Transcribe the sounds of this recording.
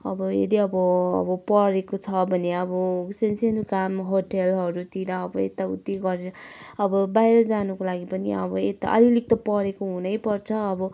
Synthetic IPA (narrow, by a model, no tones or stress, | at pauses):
ʌ̰bʌḛd̪iʌbʌʌ̰bʌpʌɾekot͡sʰʌbʱʌneʌbʌsensenukamɦoʈelɦʌɾut̪iɾaːbʌḛt̪aṵt̪ːiɡʌɾeɾʌʌbʌbajɾʌd͡zanukolaɡipʌniʌ̰bʌet̪a̰ʔʌ̰lilik̚t̪ʌpʌɾekoɦunʌjpʌrt͡sʰʌːbʌ